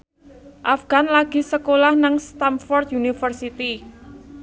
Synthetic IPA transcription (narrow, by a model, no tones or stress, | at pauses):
ʔafɡ̥a̤nlaɡ̥i̤səkolahnaŋst̪amfɔrt̪junifərsit̪i